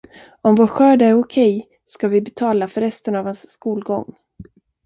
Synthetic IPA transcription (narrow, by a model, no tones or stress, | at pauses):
ɔmvoːʈɧøːd̪æɾʊkʰɛj | skavɪbɛt̪ʰɑːlafœɾːɛst̪ənavhansːkuːlɡɔ̰ŋː